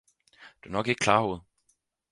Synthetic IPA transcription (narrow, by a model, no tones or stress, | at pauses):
d̥uɐnɒ̽ɡ̥e̝ɡ̥̚kʰlɑ̈ːhoð̩ˠ